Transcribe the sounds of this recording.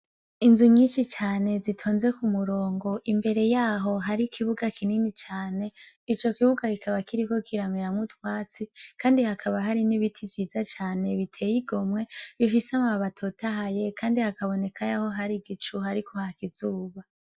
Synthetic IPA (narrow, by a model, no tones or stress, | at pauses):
inzuɲiːnʃit͡ʃaːne̞zitʰo̞ːnze̞kumuɾoːŋɡo̞ʔimbe̞ɾe̞jaːɦo̞ɦaɾikʰiβuɡakʰininit͡ʃaːne̞ | it͡ʃo̞kiβuɡakikaβakiɾiko̞kʰiɾamiɾamŋutwaːt͡sikʰaːndihakʰaβaɦaɾiniβitʰivjiːzat͡ʃaːne̞βitʰe̞ːjiɡo̞mŋe̞βifisamaβatʰotaɦaje̞kaːndihakaβo̞ne̞kʰajaho̞ɦaɾiɡit͡ʃuhaɾikʰo̞hakiz̥uːβa